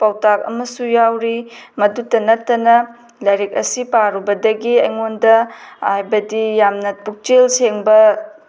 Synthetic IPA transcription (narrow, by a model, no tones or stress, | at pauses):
pawtak̚ɐ̰mɐsujawɾimɐdutːɐnɐtːɐnɐ | lajɾek̚ɐ̰sipaɾubɐdɐɡiɐjŋondɐhajbɐdijamnɐpuk̚t͡ʃelseŋbɐ